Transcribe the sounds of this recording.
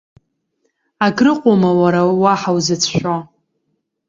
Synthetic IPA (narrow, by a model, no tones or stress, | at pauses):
aɡrɨqʷʼomawaɾawaħawzɨt͡sʰʃᶣʷa